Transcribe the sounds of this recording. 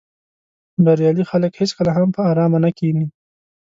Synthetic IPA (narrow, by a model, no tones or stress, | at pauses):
d̪aɾjɑlixaləkheskəlaɦampəɑɾɑmanakini